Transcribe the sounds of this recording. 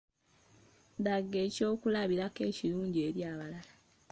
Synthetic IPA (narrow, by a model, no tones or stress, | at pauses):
daɡːe̞ːco̞ːkulaβiɾake̞ːciɾuːɲɟieɾjaːβalala